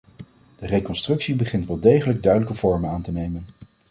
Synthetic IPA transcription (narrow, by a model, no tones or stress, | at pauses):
d̥ərejkɔnstrɵksibəχɪntʋɛlˠdejχələɡ̚dœɥdələkəv̥ɔɹmənaːntənejmən